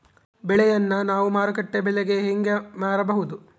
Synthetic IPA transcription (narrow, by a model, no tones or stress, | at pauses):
bɛɭɛjɐnːɐnaːʋumaːɾɐkɐʈːebɛɭeɡe̞ɦeŋɡemaːɾɐbɐɦud̪u